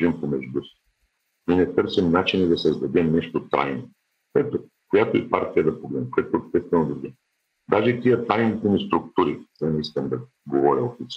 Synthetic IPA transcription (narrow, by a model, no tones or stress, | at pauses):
ʒimpomɛʒd̪usi̥ | ninɛt̪ɤɾsɛmnat͡ʃinid̪ɐsɐzd̪ɐd̪ɛmnɛʃt̪ot̪a̰jno | koɛt̪o | kojat̪oipaɾt̪ʲijəd̪ɐpoɡlɛmkojɛt̪oɛpst̪ɛst̪vɛnod̪ɐd̪ɛ | d̪aʒɛt̪iət̪ajnit̪ɛnist̪ɾʊkt̪uɾizɐnɛiskɐnd̪ɐ | ɡovɔɾʲɐofit̪s